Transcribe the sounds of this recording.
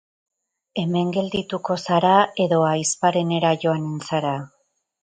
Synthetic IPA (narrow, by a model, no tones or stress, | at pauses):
e̞me̞ŋɡe̞ld̪it̪uko̞saɾae̞ðo̞ajspaɾe̞ne̞ɾaʝo̞anensaɾa